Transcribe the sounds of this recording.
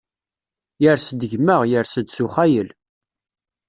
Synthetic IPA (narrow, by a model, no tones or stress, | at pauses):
jəɾsd̪əʝməʁjəɾsəd̪suχæjəl